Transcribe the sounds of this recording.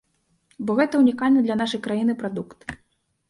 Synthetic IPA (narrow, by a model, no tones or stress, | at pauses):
bɔɣɛt̪ɐunʲikalʲnɐd̪lʲɐnaʂɐjkɾajinɨpɾad̪ukt̪